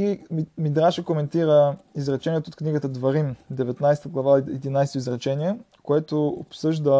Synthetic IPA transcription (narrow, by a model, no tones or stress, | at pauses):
imid̪ɾaʃəkomɛnt̪iɾəizɾɐt͡ʃɛniɛt̪ot̪kniɡət̪əd̪vɐɾimd̪ɛvɛt̪najsɛ̥t̪əɡlˠɐvaɛd̪inajst̪oizɾɐt͡ʃɛnʲiɛkoɛt̪oo̰psɤʒd̪ə